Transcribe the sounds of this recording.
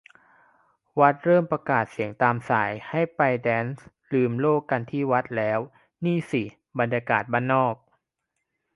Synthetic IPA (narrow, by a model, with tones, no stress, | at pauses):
wa˦˥t̪̚ɾɤː˥˩mpɾa˧kaː˨˩t̪̚si˨˩˦əŋt̪aː˧msaː˩˦jha˥˩jpa˧jdɛː˦˥ns | lɯː˧mloː˥˩kːa˧nt̪ʰiː˥˩wa˦˥t̪̚lɛː˦˥w | niː˥˩si˨˩ | ba˧njaː˧kaː˨˩t̪̚baː˧˥˩nːɔː˥˩k̚